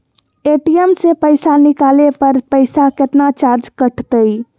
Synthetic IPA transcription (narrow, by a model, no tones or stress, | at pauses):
eʈijəmsepəɪsanikalepəɾpəɪsaket̪nat͡ʃaɾd͡ʒkəʈʰt̪əj